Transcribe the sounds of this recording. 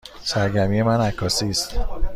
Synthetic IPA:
sæɾɟæmije̞mænækʰːɒːsiːst̪

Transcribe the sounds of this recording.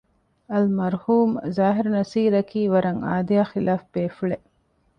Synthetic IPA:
ɐlmɐɾhuːmzaːɦiɾnɐsiːɾɐkiːʋɐɾɐŋa̰ːd̪ijaːxilaːfbeːfuɭeʔ

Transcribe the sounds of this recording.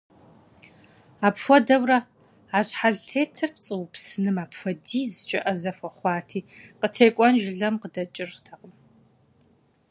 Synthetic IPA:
aːpfʷɔdɐwrɐ | aːɕħaɮʰeːtʰɨp̚t͡sʼɨwpsɨnɨmaːpfʷɔdiːzɨt͡ʃʼɐʔɐzɐfʷɐχʷɑːtʰiːqətʰeːkʷʼɔnʒɪɮɐmqədɐt͡ʃʼɪrtʰɐqʼəm

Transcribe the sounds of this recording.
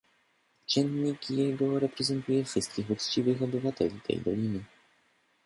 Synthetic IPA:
t͡ʃɛnɲikjɛɡoɾɛpɾɛzɛnt̪ujɛfʂɘst̪̚kixust͡ʃivɪxobɪvat̪ɛlʲit̪ʰɛ̰jd̪o̰lʲinɪ

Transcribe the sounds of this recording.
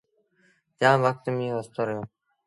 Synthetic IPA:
d͡ʒjãːʋək̚t̪mĩːost̪oːɾəjoː

